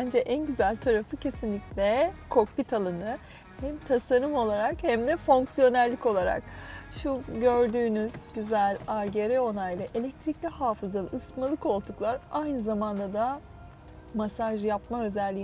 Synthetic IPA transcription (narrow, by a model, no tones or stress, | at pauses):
bænd͡ʒɛʔænɟyzælʲt̪ʰaɾafɯcʰe̞sinlʲiclʲɛkʰo̞kpit̪ʰalˠɯnɯ | hæmt̪ʰasaɾɯmo̞lˠaɾakhæmd̪ɛfo̞ŋksijo̞næɾlʲico̞lˠaɾa̰kʃuɟøɾd̪yːnyz̥ɟyzælʲaɾɟeɾɛo̞najlˠɯʔe̞lʲɛc̚t̪ʰɾiclʲihaːfɯzalˠɯːsmalˠɯko̞lˠd̪uklˠaɾajnɯzamand̪ad̪a | masaʒjapmaø̞zɛlʲːiː